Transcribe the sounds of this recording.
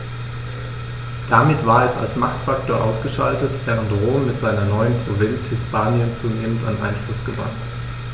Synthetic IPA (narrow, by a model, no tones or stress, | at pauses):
d̥amɪtv̥aːɐɛsa̰lsmaχtfaktoːɐʔaʊsɡ̥əʃaltətv̥ɛːʁəntʁoːmːɪtz̥aɪnɐnɔʏənpʁ̥ovɪnt͡shɪspaːnjənt͡suːneːmənta̰nʔa̰ɪnflʊsɡ̥əbʁa̰χt